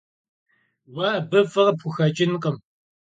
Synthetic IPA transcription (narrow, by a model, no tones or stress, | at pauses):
wɐbɨfɨʁɐpʰʊxɐt͡ʃʼɪnqʼəm